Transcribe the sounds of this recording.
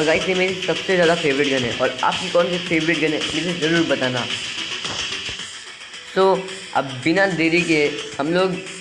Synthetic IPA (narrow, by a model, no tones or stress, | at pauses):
ɐɡaːisemẽɾsɐbsezjaːd̪afeːʋɾɪʈ̚ɡɐnɛ̰̃ʔɔ̰ːɾa̰ːp̚kikɔːnsefʰeːʋɾɪʈ̚ɡɐnḛ̃mesezɐɾuːɾbɐt̪aːna̰ː | soː | ɐ̰bːɪnad̪eːɾikehɐmloːɡ